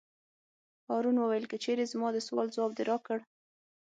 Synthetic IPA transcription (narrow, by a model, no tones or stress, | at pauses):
hɑɾunwəwajəlkət͡ʃeɾezmɑd̪əswɑlzwɑb̚d̪ɪɾɑkəɽ